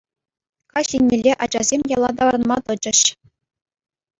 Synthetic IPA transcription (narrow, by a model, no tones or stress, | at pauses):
kɑɕʲinʲːelʲːeʔɑd͡ʑɑzʲemʲjɑlˠɑd̪ɑʋɑɾɤ̆nmɑt̪ɤ̆t͡ɕɘ̆ɕ